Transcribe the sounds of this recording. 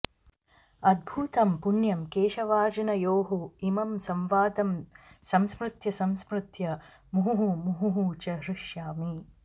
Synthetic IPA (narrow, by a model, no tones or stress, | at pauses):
ɐd̪̚bʱuːt̪ɐmpunjɐmkeːʃɐʋaːɾd͡ʒɐnɐjoːɦuimɐmsɐmʋaːd̪ɐmsɐmspɾɪt̪jɐsɐmspɾɪt̪jɐ | muɦuɦumuɦuɦut͡ʃɐɦɾɪʂjaːmi